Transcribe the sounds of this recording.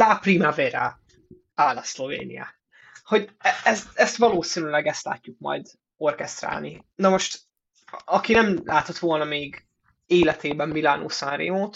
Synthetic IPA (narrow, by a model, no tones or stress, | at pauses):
laprimaveɾa | aːlɒslovḛːnḭja̰ | ho̞ɟɛɛst̪ɛst̪vɒloːsinylɛɡɛst̪la̰ːcːuk̚mɒ̰jd̪ | o̞rkɛst̪ɾra̰ːlnḭ | nɒmo̞ʃt̪ | ɒkinɛmlʔaːt̪o̞t̪ʋo̞lnɒmeːɡ | eːlɛt̪eːbɛmːilano̰sanrḛːmoːt̪